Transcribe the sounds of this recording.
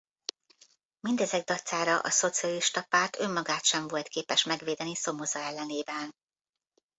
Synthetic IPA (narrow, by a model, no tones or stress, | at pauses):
mind̪ɛzɛɡ̚d̪ɒt̪saːɾɒʔɒ̰so̞t̪siɒliʃt̪ɒpaːrt̪ø̞mːɒɡaːt̪ʃɛɱvo̞lt̪keːpɛʃmɛɡʋeːd̪ɛniso̞mozɒɛlːɛneːbɛn